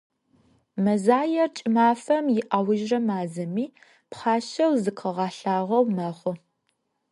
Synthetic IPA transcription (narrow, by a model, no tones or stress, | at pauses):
mɐzaːjɐrt͡ʃʼɪmaːfɐmjɪʔawʊʒrɐmaːzɐmiː | pχɑːʃɐwzɨkʰɐʁɑːɬaːʁɐwmɐχʷʊ